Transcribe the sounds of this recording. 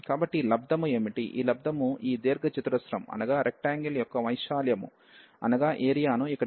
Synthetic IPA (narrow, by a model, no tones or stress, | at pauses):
kaːbɐʈːilɐb̚d̪ɐmueːmiʈḭʔḭːlɐb̚d̪ʱɐmuiːd̪eːɾɡɐt͡ʃit̪ɐɾɐsɾɐmɐ̰nɐɡaːɾʔek̚ʈaːŋɡiljɔkːɐʋɐjʂaːljɐmṵ | ɐ̰nɐɡaːʔe̞ːɾijaːnuikːɐɽ